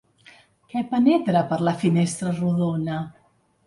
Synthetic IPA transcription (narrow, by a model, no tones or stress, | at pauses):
kɛpənɛt̪ɾapəɾlafinɛst̪ɾəruðona